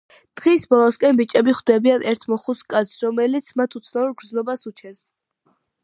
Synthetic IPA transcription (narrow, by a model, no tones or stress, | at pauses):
d̪̥ʁisbɔlˠɔskʼɛmbit͡ʃʼɛbiχd̪ɛbianɛɾt̪ʰmɔχuskʼat̪sɾɔmɛlit̪sʰmat̪ʰut̪sʰnauɾɡɾdznɔbasut͡ʃʰɛns